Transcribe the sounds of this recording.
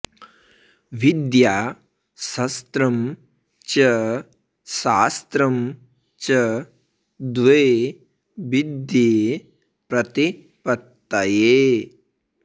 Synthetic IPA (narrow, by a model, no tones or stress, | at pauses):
ʋid̪jaː | sɐst̪ɾɐm | t͡ʃɐ | ʃaːst̪ɾɐm | t͡ʃɐ | d̪ʋeː | ʋid̪je | pɾɐt̪i | pɐt̪ːɐjeː